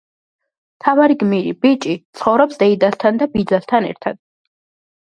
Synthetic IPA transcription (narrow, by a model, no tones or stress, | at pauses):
t̪ʰavaɾiɡmiɾḭbit͡ʃʼit̪sʰχɔwɾɔpsd̪ɛjd̪ast̪ʰand̪abid͡zast̪ʰanɛ̰ɾt̪ʰad̪̥̚